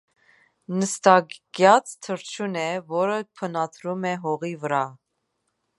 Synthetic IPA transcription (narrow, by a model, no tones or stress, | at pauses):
nəst̪ɑɡ̥jɑt͡st̪ʰəɾt͡ʃʰunɛvɔɾəpʰənɑt̪ʰɾumɛɦɔʁivəɾɑ